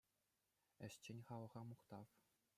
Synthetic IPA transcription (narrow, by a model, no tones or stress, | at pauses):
ɘ̆ɕt͡ɕĕnʲχɑlɤ̆ʁɑmuχt̪ɑf